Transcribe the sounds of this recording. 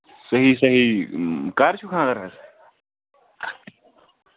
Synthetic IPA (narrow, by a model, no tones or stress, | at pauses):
sɐɦiːsɐɦikaːɾt͡ʃʰukʰãːd̪ɐɾkʰɐs